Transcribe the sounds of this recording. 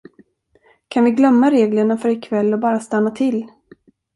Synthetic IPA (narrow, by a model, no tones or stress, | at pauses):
kʰanvɪɡlœmːaɾeːɡləɳafœɾɪkʰvɛlːɔbɑːɾast̪anːat̪ʰɪlː